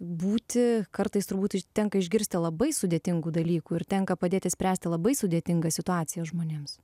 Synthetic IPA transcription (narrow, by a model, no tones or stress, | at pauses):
buːt̪ʲɪkɐɾt̪ɐɪst̪ʊɾbuːt̪ɪt̪ʲɛŋkɐɪʒʲɡʲɪɾʲsʲt̪ʲɪlˠɐbɐɪsʊd̪ʲeːt̪ʲɪŋɡuːd̪ɐlʲiːkuːɪɾt̪ʲɛŋkɐpɐd̪ʲeːt̪ʲɪsʲpʲɾʲæːsʲt̪ʲɪlˠɐbɐɪsʊd̪ʲeːt̪ʲɪŋɡɐsʲɪt̪ʊɑːt̪sʲɪjɛsʒmoːnʲeːms